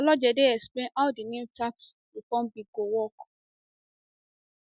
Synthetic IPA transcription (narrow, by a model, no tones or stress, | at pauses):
ɔlɔd͡ʒɛdeɛksplẽnʔaldenutaksbifɔm̩biɡowɔk